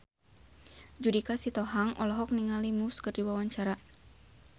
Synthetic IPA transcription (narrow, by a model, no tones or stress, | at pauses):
d͡ʒudikasit̪ɔɦaŋʔɔlɔɦɔk̚niŋalimuskɨrdiwawaɲt͡ʃaɾa